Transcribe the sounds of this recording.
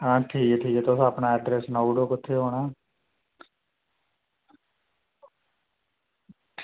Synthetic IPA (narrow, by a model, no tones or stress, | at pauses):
ãːʈʰiːkeʈʰiːkeːt̪oʊsapnaːɛɖɾɛːsnaːuːɖoːkʊt̪ʰːeːɦoːɳaː